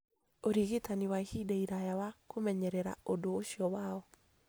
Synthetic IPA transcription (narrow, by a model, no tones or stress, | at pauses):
oɾiɣetaniwaihidɛiɾajawakomɛɲɛɾɛɾa̰odoːʃiɔwaɔ